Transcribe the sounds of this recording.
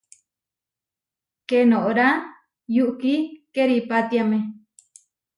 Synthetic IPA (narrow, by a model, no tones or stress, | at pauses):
kenõʔoɾa | juʔkikeɾipat̪jamẽ